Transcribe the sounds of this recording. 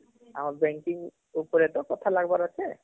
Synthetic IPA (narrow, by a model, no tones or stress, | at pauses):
amaɹbɛŋkiŋ | upɔɹɛtɔkɔtʰalaɡbaɹɔtʰɛ